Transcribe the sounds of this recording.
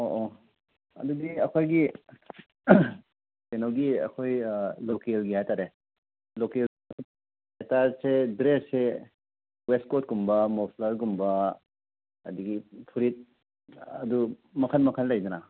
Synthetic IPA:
oʔo | ɐ̰duɡiɐkʰojɡi | senawɡiɐ̰kʰojlokelɡihajtaɾe | lokel | etaɾsedɾesse | west̚kot̚ɡumbɐmopʰlaɾɡumbɐ | ɐ̰duɡipʰuɾit̚ | ɐdumɐkʰɐnmɐkʰənlɐjduna

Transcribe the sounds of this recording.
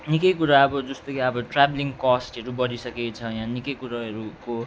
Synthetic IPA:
nikʌjkuɾaʌbʌd͡zʌst̪okiʌbʌʈrabliŋkɔsʈʌɾubʌɾisʌket͡sʰʌjãnikʌjkuɾaʌɾuko

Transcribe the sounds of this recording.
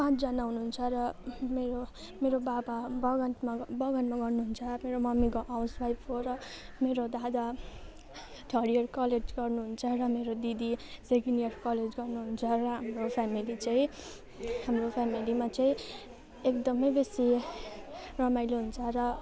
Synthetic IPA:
pãt͡sd͡zʌnaɦunuɦunt͡sʰʌɾʌmeɾo | meɾobababʌɡʌt̪mabʌɡʌnmaɡʌrnuɦunt͡sʰʌmeɾomʌmikoʔawsbajpʰoɾʌmeɾod̪ad̪a | ʈʰʌɽiʌrkʌled͡zɡʌrnuɦunt͡sʰʌrʌmeɾod̪id̪iseɡinerkʌled͡zɡʌrnuɦunt͡sʰʌrʌɦamropʰamilit͡saĩ | hamropʰamilimat͡saĩ | ekd̪ʌmʌjbesi | rʌmajloɦunt͡sʰʌrʌ

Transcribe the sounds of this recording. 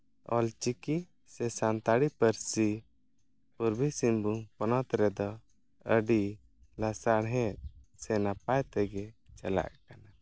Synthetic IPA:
ɔ̰lt͡ʃiki | sɛsant̪aɽipəɾsi | puɾbisimbuŋpɔnɔt̪ɾɛd̪ɔ | əɖi | lasaɽɦɛt̪̚ˀsɛnap̚ajt̪ɛɡɛt͡ʃɛla̰ʔkana

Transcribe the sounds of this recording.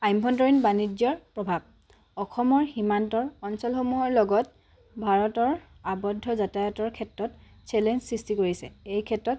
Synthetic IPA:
ajmbʱɔntɔɹinbanid͡ʒjɔɹpɹɔbʱab̚ | ɔxʰɔmɔɹximantɔɹɔnsɔlxomuɦɔɹlɔɡɔt | bʱaɹɔtɔɹ | abɔdʱːɔzatajɔtɔɹkʰɛtɹɔt | sɛlɛnzsɹistikoɹisɛ̰ejkʰɛtɹɔt

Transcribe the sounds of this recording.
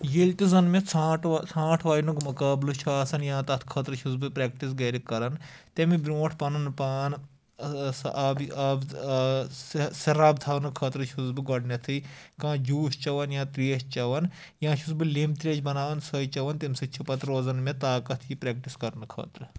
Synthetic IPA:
jeːlʲt̪ʲizɐnmẽt͡sʰãːʈʰsʰãːʈʰʋaːjnukmɐkaːblut͡ʃʰaːsɐnjãːt̪ɐt̪ʰkʰɐːt̪ɾɨt͡ʃʰuzbɨpɾɛːk̚ʈisɡɐːɾikɐɾɐn | t̪emibɾʲoːʈʰpɐnɐnpaːn | sʔɐbɐb | sɐɾaːbt̪ʰaːnɨkʰɐːt̪ɾɨt͡ʃʰuzbɨɡɐɖnʲɐt̪ʰɨkãːd͡ʒuːʃt͡ʃɐʋɐnjãːt̪ɾeːʃt͡ʃɐʋɐn | jãːt͡ʃʰusbɨlimt̪ɾʲeːt͡ʃʰbɐnaːʋɐnsɐit͡ʃɐʋɐnt̪imsit͡ʃʰupɐt̪ɾʋɐzɐnmẽt̪aːkɐt̪ʰjipɾɛːk̚ʈiskɐɾnɨkʰɐ̰ːt̪ɾɨ

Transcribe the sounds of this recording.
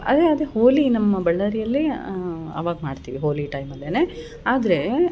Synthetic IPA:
ɐ̰d̪eɐd̪ehoːlinɐmːɐbɐɭːɐɾijɐlːi | ɐ̰ʋaːɡɐmaːɖt̪iːʋiɦoːliʈɐjmɐd̪eːne | aːd̪ɐɾe̞

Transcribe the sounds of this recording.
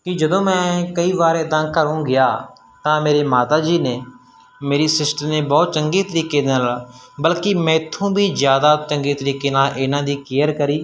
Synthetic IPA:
kɪd͡ʒəd̪õːmɛ̃ːkəiːʋaːɾeːd̪ãːkəɾũːɡɪjaː | t̪ãːmeːɾeːmaːt̪aːd͡ʒiːneː | meːɾiːsɪsʈəneːbɔːt̪̚t͡ʃəŋɡeːt̪əɾiːkeːd̪aːlbəlkimɛ̃ːɪt̪ʰːũːbʱiːzjaːd̪aːt͡ʃəŋɡeːt̪əɾiːkeːnaːʔeːnãːd̪iːkɪjəɾkəɾiː

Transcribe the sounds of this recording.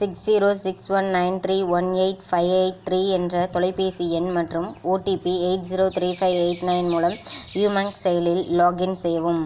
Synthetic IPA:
sɪksːiːɾoːsɪksʋɐnnɐɪnt̪ɾiːʋɐneɪʈfɐɪʋeɪʈ̚t̪ɾiːɛndrɐt̪ɔɭɐɪpːeːsiɛnmɐʈrɯmoːʈiːpieɪʈsiːɾoːt̪ɾiːfɐɪʋeɪʈnɐɪnmuːlɐmjuːmɐŋksɛjɐlɪlːoːɡɪnsɛjɐʋɯm

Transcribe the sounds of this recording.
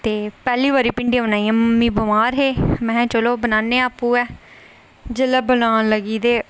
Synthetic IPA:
t̪eːpɛːliːʋaːɾiːpɪɳɖiãːbənaːiːãːməmːiːbəmaːɾɦeːmɛ̃ːt͡ʃəloːbənaːneːaːpːũːɛː | d͡ʒələːbənaːnləɡiːd̪eː

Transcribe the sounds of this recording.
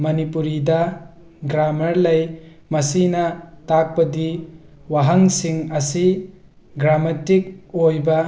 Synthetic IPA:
mɐnipuɾidɐ | ɡɾamɐɾlɐj | mɐsinɐtak̚pɐdi | waɦɐŋsiŋɐsi | ɡɾamatik̚ojbɐ

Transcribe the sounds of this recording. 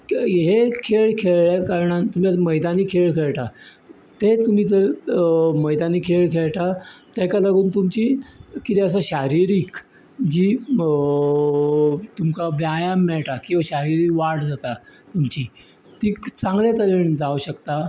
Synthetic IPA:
ɦekʰeɭkʰeɭɭjakaɾɳant̪um̤iaməjd̪aniːkʰeɭkʰeɭʈa | t̪et̪um̤iːt̪ə | məjd̪aniːkʰeɭkʰeɭʈ̪at̪ɛkalaɡuːnt̪umt͡ɕiːkit̪iəs̬aɕaɾiɾiːk | d͡ʑiː | t̪umkaʋjajamːɛɭʈ̪akĩwʋaɕaɾiɾiːkʋaʈd͡zat̪at̪umt͡ɕiː | t̪iːkt͡sãŋɡljat̪əleɳd͡zauɕəkt̪a

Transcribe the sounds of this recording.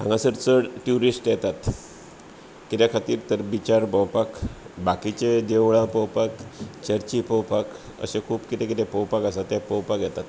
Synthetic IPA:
ã̰ŋɡãsəɾt͡səɽʈjuɾisʈjɛt̪at̪ | kit̪jakʰat̪iːɾt̪əɾbit͡ɕaɾbəwpakbakit͡ɕed͡ʑeʋɭãpəwpakt͡ɕəɾt͡ɕipəwpak | ə̰ɕekʰuːpkit̪ẽkit̪ẽpəwpakasat̪ːjapəwpakjɛt̪at̪

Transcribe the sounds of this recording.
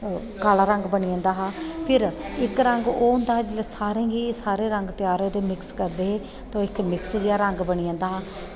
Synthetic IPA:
kaːlaːɾəŋɡbəɽ̃iãːnd̪aːɦaːpʰɪɾɪkɾə̃ŋɡoːɦʊ̃ːnd̪aːɦːd͡ʒɪlasaːɾẽːɡiːsaːɾeːɾəŋɡt̪ɪjaːɾõːd̪eːmɪkskəɾd̪eːɦeː | t̪õːɪkmɪksd͡ʒɪaːɾəŋɡbəɽ̃iãːnd̪aːɦaː

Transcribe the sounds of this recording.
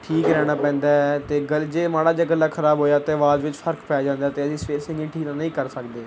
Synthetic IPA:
ʈʰiːkɾɛːɽ̃aːpɛ̃ːnd̪aːɛt̪eːɡəld͡ʒeːmaːɽaːd͡ʒaːɡəlːaːkʰəɾaːbɦoːjaːt̪eːʋaːzʋɪt͡ʃpʰəɾkpɛːjaːd͡ʒãːnd̪aːt̪eːəsĩːspeːɾsɪ̃ŋɡĩːʈʰiːkt̪ãːnəĩːkəɾsək̚d̪eː

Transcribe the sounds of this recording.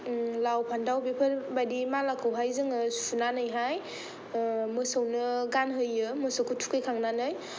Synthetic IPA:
lawpʰandawbepʰɯɾbadimalakʰɯwɦajzɯŋɯsu̥punanɯjɦaj | mɯsɯwnɯɡanɦɯjɯmɯsɯwkʰutʰu̥kejkʰaŋnanɯj

